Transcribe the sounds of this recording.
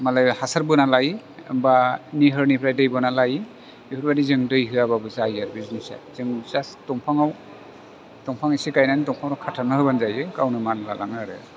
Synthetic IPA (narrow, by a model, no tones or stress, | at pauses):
malajhasaɾbɯnalaj | ɯ̰mbaniɦɯɾnipʰɾajdɯjbɔnalaj | ihɯɾbadizɯŋdɯjɦɯaβabɯzajaɾbiznisa̰z̥ɯŋzastɔŋpʰaŋaw | tɔŋpʰaŋisikajnanitɔŋpʰawɾɔkʰatʰanɯɦɯbanzajɯkawnɯmanla̰la̰ŋaɾɯ̰